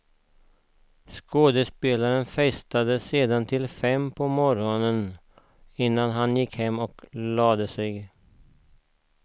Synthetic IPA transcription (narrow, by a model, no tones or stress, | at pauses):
skoːd̪əspeːlaɾənfɛst̪ad̪əseːd̪ant̪ʰɪlfɛmpʰɔmɔɾɔnən | ɪnːanɦanjɪkhɛmːɔklɑːd̪əsɛɡ